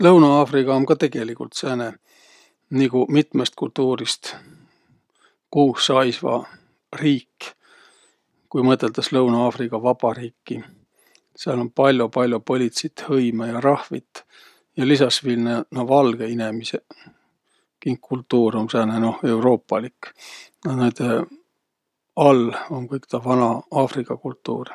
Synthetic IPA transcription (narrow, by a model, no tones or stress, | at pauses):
lɤwnɑɑːfrikɑomkɑt̪e̞ɡ̥e̞likult̪sæːne | nikumit̪mest̪̚kult̪uːɾist̪ | kuːsːɑjsvɑ̰ | riːkː | kujmɤt̪ːˑe̞lt̪ɑslɤwnɑɑːfrikɑvɑbɑɾiːkːi | seɑlo̞npɑlʲjopɑlʲjopo̞lʲit̪sit̪hɤjmɑjɑɾɑhvḭt̪ːˑ | jɑlisɑsvilnenovɑlɡ̥e̞ine̞mise | kiŋkʰːult̪ːˑuːromseːneno̞he̞wro̞ːpːˑɑliknɑned̪e | ɑlo̞nkɤjkt̪ɑvɑnɑɑːfrikˑːɑkult̪ːˑṵːr